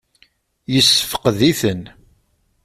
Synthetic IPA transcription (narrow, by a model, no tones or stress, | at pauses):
jəsːəfə̥qðiθən